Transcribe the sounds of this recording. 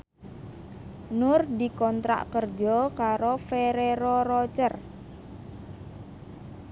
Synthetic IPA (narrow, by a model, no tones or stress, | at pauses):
nʊrd̪ikɔnt̪ɾa̰ʔkərd͡ʒɔkaɾofeɾeɾɔɾɔt͡ʃər